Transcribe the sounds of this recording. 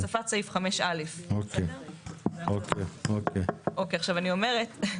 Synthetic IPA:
safat͡saifχameʃalefoke | okeokeʔokeaχʃavanio̞me̞ʁet

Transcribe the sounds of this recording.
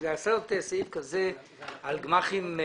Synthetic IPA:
zasɛt̪esifkaze | alɡmaχime

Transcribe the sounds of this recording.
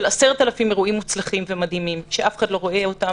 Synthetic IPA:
elaseʁt̪alafimeʁuʔimːut͡slaχimvemad̪himimʃeʔafe̥χad̪lo̞ʁo̞eota

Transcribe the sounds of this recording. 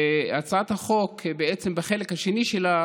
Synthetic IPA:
at͡saat̪haχo̞kbeet͡sembaχelekhaʃeniʃela

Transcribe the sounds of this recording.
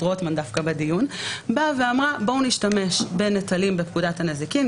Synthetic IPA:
ʁotmandafkabedijunbave̞amʁabo̞uniʃtame̞ʃbe̞netalimbe̞pkudathanezikim

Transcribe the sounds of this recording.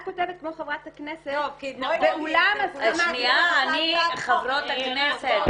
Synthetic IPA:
ko̞tevet̚kmo̞χevʁat̪aknesetvekulamaʃniaaniχavʁot̪hakneset

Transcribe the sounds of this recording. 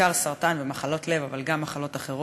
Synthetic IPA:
aʁsaʁt̪anvemaχalo̞t̪le̞vavalɡamːaχalo̞t̪aχeʁo

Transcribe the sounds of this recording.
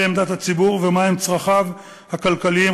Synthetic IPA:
eemd̪at̪hat͡sibuʁvemahemt͡sʁaχav | hakalkaliim

